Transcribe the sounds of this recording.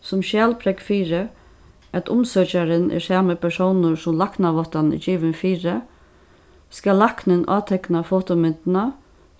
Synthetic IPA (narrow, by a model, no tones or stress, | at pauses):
sʊmʃjæːlpʰɾɛkfiːɾɪ | æt̪ʰʊmsœt͡ʃaɾɪnʔɛ̰ɾsaːməpʰɛsownʊɹsʊmlaknaʋɔht̪anɪ̰t͡ʃiːʋɪnfiːɾɪ | skalːahknɪnʔɑ̰ːt̪ʰɛknafoːt̪omɪnt̪ɪna